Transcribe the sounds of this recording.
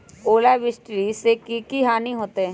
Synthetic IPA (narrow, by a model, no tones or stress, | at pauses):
oːlabɪsʈɾisekikiɦaːniɦoːt̪eɛ̃